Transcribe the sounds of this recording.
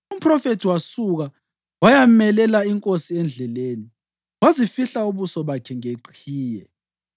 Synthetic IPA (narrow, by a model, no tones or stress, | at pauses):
um̩pʰʼrɔfetʰiwasuɣa | wajamɛlɛlaiŋkʼosiɛnd͡ɮʱɛleːni | wazifiɬauβusɔβakʰɛŋeǃʰiːjɛ